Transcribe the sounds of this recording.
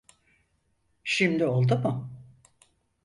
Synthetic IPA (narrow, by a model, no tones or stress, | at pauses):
ʃimd̪io̞lˠd̪umʊ